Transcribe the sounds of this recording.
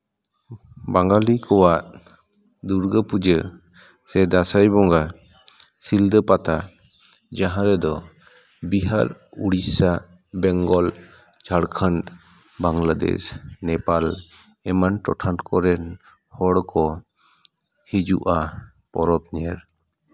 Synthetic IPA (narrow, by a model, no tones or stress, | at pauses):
baŋɡalikʰɔwaʔ | d̪uɾɡəpud͡ʒə | sɛd̪asajbɔŋɡa | sild̪əpat̪a | d͡ʒaɦãɾɛd̪ɔ | biɦaɾuɽisa | bɛŋɡɔl | t͡ʃʰaɽkʰənt | baŋlad̪ɛ̰snɛpal | ɛmanʈɔʈʰankɔɾɛn | hɔɽkɔ | hid͡ʒṵʔa | pɔɾɔp̚ɲɛɾ